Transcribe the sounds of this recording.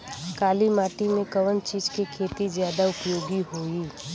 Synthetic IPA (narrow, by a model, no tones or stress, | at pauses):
kaːlimaːʈimẽkɐʋənt͡ʃiːd͡ʒkekʰeːt̪izjaːd̪aʊpjoːɡiɦoːiː